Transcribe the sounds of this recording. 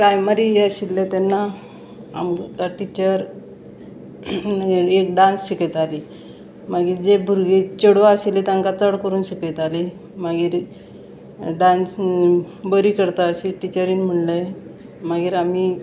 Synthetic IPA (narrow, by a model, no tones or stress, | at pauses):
pɾajməɾieəɕilːẽt̪enːa | a̰mkaʈit͡ɕəɾ | ekɖãnsɕiket̪ali | maɡiːɾd͡ʑebʱuɾɡet͡ɕəɽʋaəɕilit̪aŋkat͡səɽkəɾuːnɕiket̪ali | maɡiːɾ | ɖãns | bəɾiːkəɾt̪aəɕiʈit͡ɕəɾiːnm̤əɳlə | maɡiːɾamiː